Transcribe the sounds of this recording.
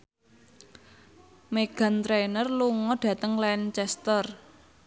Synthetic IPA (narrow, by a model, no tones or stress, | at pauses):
meɡ̥a̤nt̪ɾenərluŋɔɖ̥ä̤t̪əŋlɛnt͡ʃɛst̪ər